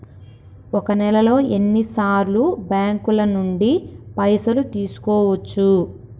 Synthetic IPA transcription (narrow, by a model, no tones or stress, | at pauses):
ɔkɐnɛlɐlo̞ːe̞nːisaːɾlubjaːŋkulɐnuɳɖipɐjsɐlut̪iːsu̥kɔːʋɐt͡ʃːu